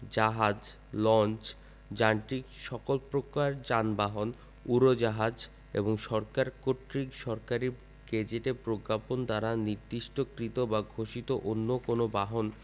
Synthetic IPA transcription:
d͡ʑaɦad͡ʑ | lɔnt͡ɕ | d͡ʑaɳʈikʃɔkolpɾokaɾd͡ʑanbaɦon | uɾod͡ʑaɦad͡ʑ | ḛboŋʃɔɾkaɾkoʈɾikʃɔɾkaɾi | ɡ̥ed͡ʑeʈepɾokːapond̪aɾaniɾd̪iʃʈokɾit̪obaɡʱoʃit̪oʔonːokonobaɦon

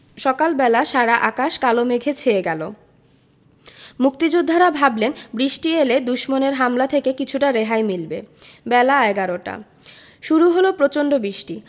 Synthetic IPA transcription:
ʃɔkalbɛlaʃaɾaʔakaʃkalomeɡʱet͡ɕʰeeɡɛlo | muk̚t̪id͡ʑud̪ʱːaɾabʱablenbɾiʃʈieled̪uʃmoneɾɦamlat̪ʰekekit͡ɕʰuʈaɾeɦajmilbebɛlaɛɡaɾoʈa̰ | ʃuɾuɦolopɾot͡ɕonɖobɾiʃʈi

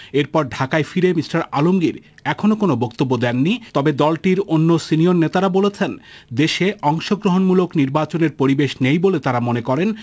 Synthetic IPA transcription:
eɾpɔɾɖʱakajfiɾemisʈaɾalomɡiɾɛkʰonokonobokt̪obːod̪ɛnːit̪ɔbed̪ɔlʈiɾonːosinioɾnet̪aɾabolet͡ɕʰend̪eʃeʔɔŋʃoɡɾoɦonmulokniɾbat͡ɕoneɾpoɾibeʃnejbolet̪aɾamonekɔɾen

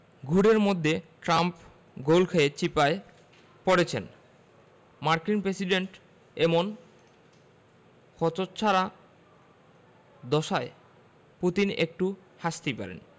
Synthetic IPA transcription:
ɡʱuɽeɾmod̪ʱːeʈɾamp | ɡolkʰeet͡ɕipae | poɽet͡ɕʰen | maɾkinpɾesiɖeɳʈ | emon | kʰɔt͡ɕott͡ɕʰaɾa | d̪ɔʃae | put̪inḛk̚ʈuʃaʃt̪ipa̰ɾḛn

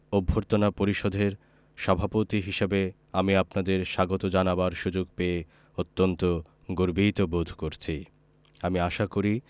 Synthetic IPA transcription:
obʱːoɾt̪onapoɾiʃod̪ʱeɾ | ʃɔbʱapot̪iɦiʃebe | amiapnad̪eɾʃaɡot̪od͡ʑanabaɾʃud͡ʑoɡ̚pee | ot̪ːont̪o | ɡoɾbit̪obod̪ʱkoɾt͡ɕʰi | amiaʃakoɾi

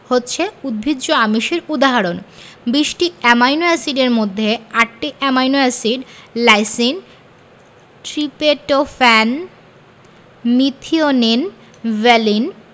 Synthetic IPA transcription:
hotːɕʰeud̪̚bʱidːoamiʃeɾud̪aɦaɾonbiʃʈiɛmajnoɛsiɖeɾmod̪ʱːeaʈ̚ʈiʔɛmajnoɛsiɖlajsin | ʈɾipeʈofɛn | mit̪ʰionin | vɛlin

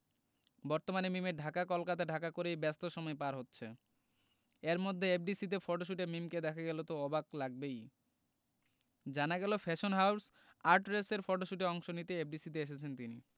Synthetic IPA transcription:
bɔɾt̪omanemimeɾɖʱakakɔlkat̪aɖʱakakoɾejbɛst̪oʃɔmɔepaɾɦotːɕʰe | eɾmod̪ʱːeep̚ɖisit̪̬efɔɾʈoʃ̬uʈeɾmimked̪ɛkʰaɡɛlot̪oɔbaklaɡ̚bej | d͡ʑanaɡɛlofʰɛʃonɦaws | aɾʈɾeseɾfɔʈoʃuʈeɔŋʃonit̪eep̚ɖisit̪̬eeʃ̬et͡ɕʰent̪ini

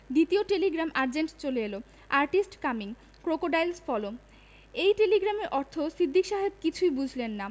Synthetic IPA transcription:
d̪it̪ioʈeliɡɾamʔaɾd͡ʑeɳʈt͡ɕoleelo | aɾʈisʈkamiŋ | kɾokoɖajlsfɔlo | ejʈeliɡɾameɾʔɔɾt̪ʰosɾid̪ʱːikʃaɦeb̚kit͡ɕʰujbud͡ʑʱlenːa

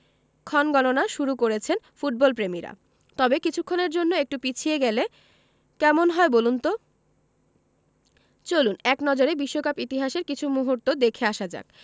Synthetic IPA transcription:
kʰɔnɡɔnonaʃuɾukoɾet͡ɕʰen | fuʈ̚bɔlpɾemiɾa̰ | t̪ɔbekit͡ɕʰukʰːoneɾd͡ʑonːoek̚ʈupit͡ɕʰieɡɛle | kɛmonɦɔebolunt̪o | t͡ɕolunɛknɔd͡ʑoɾebiʃːokapit̪iɦaʃeɾkit͡ɕʰumuɦuɾt̪od̪ekʰeaʃad͡ʑa̰k̚

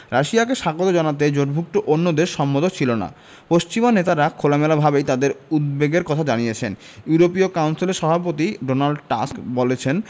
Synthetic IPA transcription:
ɾaʃiakeʃaɡot̪od͡ʑɔnat̪̬ed͡ʑoɖbʱuk̚ʈ̪oʔonːod̪eʃʃɔmbod̪ot͡ɕʰilona̰ | poʃt͡ɕimonet̪aɾakʰolamelabʱabejt̪ad̪eɾud̪̚beɡeɾkɔt̪ʰad͡ʑanijet͡ɕʰen | juɾopiokawnsileɾʃɔbʱapot̪iɖonalɖʈa̰skbolet͡ɕʰen

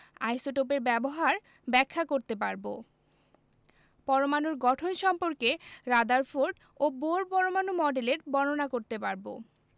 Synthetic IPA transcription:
a̰jsoʈop̬eɾbɛboɦaɾ | bɛkʰːakoɾt̪epaɾbo̰ | pɔɾomanuɾɡɔʈʰonʃɔmpoɾkeɾad̪aɾfoɾɖ | oboɾpɔɾomanumɔɖeleɾbɔnonakoɾt̪epaɾbo̰

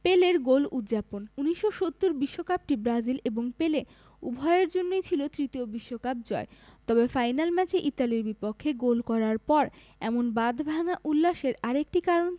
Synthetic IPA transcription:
peleɾɡolud̪d͡ʑaponuniʃːoʃot̪ːuɾbiʃːokap̚ʈibɾad͡ʑileboŋpele | ṵbʱɔeeɾd͡ʑonːojt͡ɕʰilot̪ɾit̪iobiʃːokap̚d͡ʑɔet̪ɔbefajnalmɛt͡ɕeʔit̪aliɾbipokʰːeɡolkɔɾaɾpɔɾ | ɛmonbad̪ʱbʱaŋaʔulːaʃeɾaɾek̚ʈikaɾon

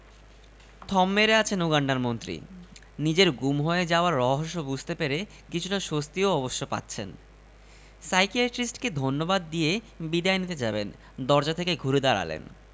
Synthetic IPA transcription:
t̪ʰɔmːeɾeat͡ɕʰenuɡaɳɖaɾmont̪ɾḭ | nid͡ʑeɾɡumɦoed͡ʑaoaɾːɔɦoʃːobud͡ʑʱt̪epeɾe | kit͡ɕʰuʈaʃost̪ioɔboʃːopa̰tːɕʰen | sajkiaʈɾisʈked̪ʱonːobad̪ːije | bid̪aenit̪ed͡ʑaben | d̪ɔɾd͡ʑat̪ʰekeɡʱuɾed̪aɾa̰lḛn

